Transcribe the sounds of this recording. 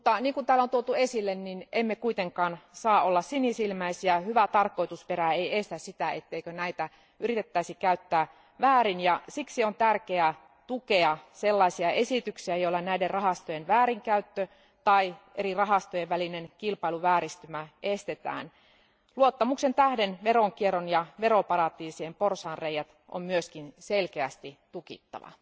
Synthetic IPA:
ut̪ːɑniːŋkunt̪æːlːont̪uot̪uesilːenninemːekuit̪eŋkɑːnsɑːolːɑssinisilmæisiæhyʋæt̪ɑrko̞jt̪uspeɾæeiest̪æssit̪æet̪ːeikønæit̪æ | ʔyrit̪et̪ːæisikæyt̪ːæː | ʋæːɾinjɑsiksiont̪ærkeæ | t̪ukeɑselːɑisiɑʔesit̪yksiæjoilːɑnæiderrɑɦɑst̪ojenʋæːɾiŋkæyt̪ːø | t̪ɑiʔerirɑɦɑst̪ojeʋʋælinenkilpɑiluʋæːɾist̪ymæest̪et̪æ̰ːn | luot̪ːɑmuksent̪æhdenʋeroŋkieronjɑʋeɾopɑrɑt̪iːsiemporsɑːrrejæt̪ʔo̰mmyøskinselkeæst̪it̪ukḭt̪ːɑ̰ʋɑ̰

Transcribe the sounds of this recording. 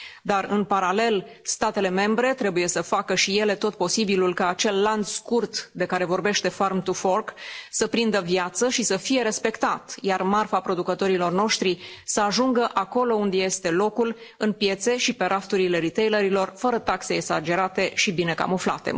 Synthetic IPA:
d̪arɨnpaɾale̞l | st̪at̪e̞le̞me̞mbɾe̞t̪ɾe̞buje̞səfakəʃije̞le̞t̪o̞t̪̚po̞sibilulkaːt͡ʃe̞lːand̪skurt̪d̪e̞kaɾe̞vo̞rbe̞ʃt̪e̞farmt̪ufo̞rksəpɾind̪əvijat̪səʃisəfije̞ɾe̞spe̞kt̪at̪jarmarfapɾo̞d̪ukət̪o̞ɾilo̞rno̞ʃt̪ɾisəaʒuŋɡəʔako̞lo̞und̪je̞st̪e̞lo̞kul | ɨnpje̞t̪se̞ʃipe̞ɾʔaft̪uɾile̞ɾit̪e̞jləɾilo̞rfəɾət̪akse̞ːksad͡ʒe̞ɾat̪e̞ʃibine̞ka̰mufla̰t̪e̞̰

